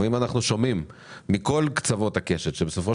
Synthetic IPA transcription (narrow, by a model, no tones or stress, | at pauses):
imanaχnuʃo̞mimː | iko̞lkt͡savo̞t̪hake̞ʃetʃebeso̞fo